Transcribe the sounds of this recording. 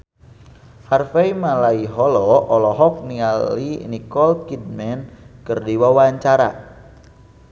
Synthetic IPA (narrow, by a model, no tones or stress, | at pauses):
harfejmalaiɦɔlɔɔlɔɦɔk̚nialḭnikɔlkid̚mɛnkɨrdiwawaɲt͡ʃaɾa̰